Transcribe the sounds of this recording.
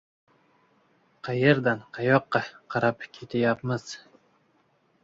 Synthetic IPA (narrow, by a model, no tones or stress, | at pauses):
qʰɑjeɾd̪anqʰɑjɒqːɑqʰɑɾapkʲʰe̞t̪ʰajapmɪz̥